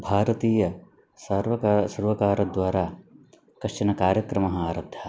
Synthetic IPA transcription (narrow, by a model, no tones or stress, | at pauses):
bʱaːɾɐt̪iːjɐ | sɐʋɐsɐɾʋɐkaːɾɐd̪ʋaːɾaː | kɐʃt͡ʃɐnɐkaːɾjɐkɾɐmɐɦɐaːɾɐd̪ʱːɐ̥